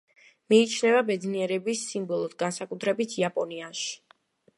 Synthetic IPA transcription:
miːt͡ʃʰnɛvabɛd̪zniɛɾɛbisːimbɔlˠɔd̪ɡansakʼut̪ʰɾɛbit̪ʰiapʼɔniaʃi̥

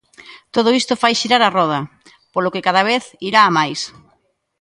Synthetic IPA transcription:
t̪oð̞ʊist̪ʊfajʃiɾaɾarɔð̞ɐ | polokɪkað̞aβ̞eθiɾaːmajs

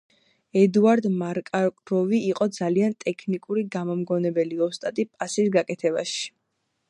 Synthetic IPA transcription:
ɛd̪uaɾd̪maɾkʼakʼɾɔviːqʼɔd̪zaliant̪ʼɛkʰnikʼuɾiɡamɔmɡɔnɛbɛliɔst̪ʼat̪ʼipʼasisɡakʼɛt̪ʰɛbaʃi̥

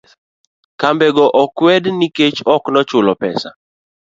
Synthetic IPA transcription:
kambɛɡɔʔɔkwɛdniket͡ʃɔknɔt͡ʃʊlɔpɛ̰sa̰

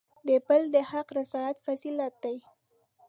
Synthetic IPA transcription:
d̪əpəld̪əhaqɾɪsɑjat̪fazilat̪̚d̪aj

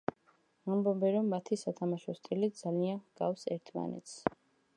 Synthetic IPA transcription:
ambɔbɛɾɔmːat̪ʰisat̪ʰamaʃɔst̪ʼilid̪zalianɡ̥afsɛɾt̪ʰma̰nɛ̰t̪s

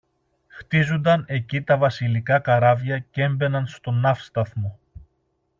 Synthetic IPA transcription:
xt̪izond̪ɐne̞cit̪ɐvɐsilikɐkɐɾɐvʝɐcee̞mbe̞nɐnst̪o̞nɐfst̪ɐθmo̞

